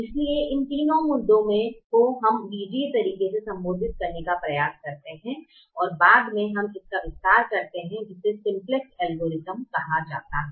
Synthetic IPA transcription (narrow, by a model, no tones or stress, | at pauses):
ɪslieʔɪnt̪iːnõmʊd̪ːõmẽkoɦɐmʋiːd͡ʒit̪ɐɾiːkesesɐ̃mboːd̪ʱɪt̪̚kɐɾnekapɾɐjaːskɐɾt̪eɦɛ̃ | ɔːɾbaːd̪mẽɦɐmɪskaʋɪst̪aːɾkɐɾt̪eɦɛ̃d͡ʒɪsːesɪ̃mplɪksɛːlɡoːɾɪzəmkɐɦad͡ʒa̰ːt̪aɦɛ